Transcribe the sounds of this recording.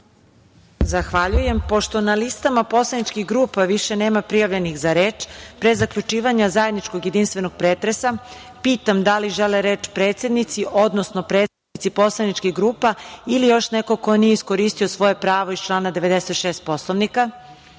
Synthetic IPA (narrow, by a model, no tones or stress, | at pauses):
zaxʋaʎuje̞mpo̞ʃt̪o̞nalist̪amapo̞slˠanit͡ʃkixɡɾuːpaʋiʃeneːmapɾijaʋʎenixzaɾeːt͡ʃpɾezakʎut͡ʃiːʋaɲazaje̞d̪nit͡ʃko̞ɡjed̪inst̪ʋe̞noɡ̥̚pɾeːt̪ɾesa | piːt̪amd̪aliʒeleɾeːt͡ʃpɾe̞ːt̪sjed̪nit̪siʔod̪nosno̞pɾet̪st̪anit̪sipo̞slˠanit͡ʃkiɣɡɾuːpailijo̞ʃneko̞ko̞nijeiskoɾiːst̪io̞sʋo̞jepɾaːʋo̞ist͡ʃlˠaːnad̪e̞ʋe̞d̪eset̪ʃeːst̪̚po̞slˠoʋnika